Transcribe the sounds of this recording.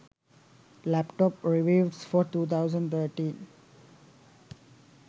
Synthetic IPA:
læpʈɔːpɾiʋiːʋɖsfɔːɾt̪uːt̪ʰaʊzə̃ɳɖt̪ʰəːɾʈĩːn

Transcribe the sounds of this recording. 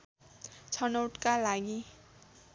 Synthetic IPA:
t͡sʰʌnʌwʈkalaɡi

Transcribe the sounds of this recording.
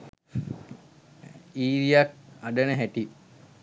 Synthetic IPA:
iːɾijak̚aɖənəɦæʈi

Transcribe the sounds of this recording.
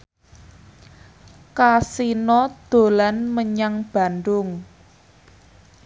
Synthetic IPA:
kasinɔd̪̥o̤lanməɲaŋb̥a̤nɖʊŋ

